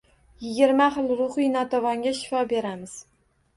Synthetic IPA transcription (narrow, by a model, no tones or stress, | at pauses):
jɪɡʲɪɾmaχɨlˠɾʊχɨjnɒt̪ʰavɒŋɡʲaʃɪ̥fɒbe̞ɾamɪz̥